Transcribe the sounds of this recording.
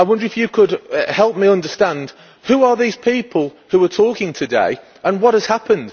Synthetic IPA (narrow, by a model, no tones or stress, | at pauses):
aɪwʌ̃ndəɹɪfjəkʰədhɛlˠp̚miʌ̃ndəstãnd̥ | huəðiːz̥pʰiˑpʰəlˠ | huətʰɔˑkɪ̃ŋtʰədḛɪ | ə̃nwɒt̚həz̥hapʰə̃nd̥